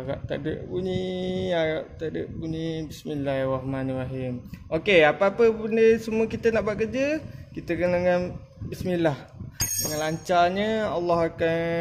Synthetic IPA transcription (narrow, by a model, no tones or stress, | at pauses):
aɣa̰ʔt̪a̰də̰ʔbuɲiaɣaʔt̪adəʔbunibismilahrahmanraɦimokeapaːpəbundəsəmuəkit̪ənaʔbaʔkəd͡ʒəkit̪əkəndəŋan | bismilahdəŋanlaɲt͡ʃarɲəalːɑhakan